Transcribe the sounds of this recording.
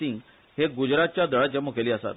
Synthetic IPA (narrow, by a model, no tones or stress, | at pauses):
ĩŋɡ | heɡud͡ʑɾat̪̚t͡ɕjad̪ʱəɭad͡ʑəmːukʰeliːəsa̰t̪